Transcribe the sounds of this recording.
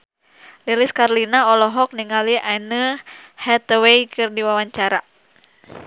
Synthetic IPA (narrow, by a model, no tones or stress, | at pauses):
liliskarlinaɔlɔɦɔk̚niŋaliʔanəhɛt̪wejkɨrdiwawaɲt͡ʃaɾa